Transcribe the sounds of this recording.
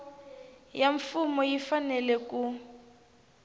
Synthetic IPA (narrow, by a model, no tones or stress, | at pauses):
jaɱfumɔjifanɛlɛku